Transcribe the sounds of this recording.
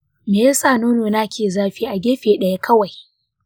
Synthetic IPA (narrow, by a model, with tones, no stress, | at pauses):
meː˨jaː˦saː˦˨noː˦noː˨naː˦kʲeː˨zaː˦ɸiː˦ʔa˨ɡʲeː˦ɸeː˨ɗɐ˦ja˦kʰɐ˦wa˨j